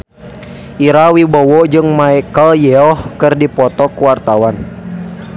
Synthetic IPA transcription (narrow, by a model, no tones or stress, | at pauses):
ʔiɾawibɔwɔd͡ʒɨŋmaɛkəljɛɔhkɨrdipɔt̪ɔkuwart̪awan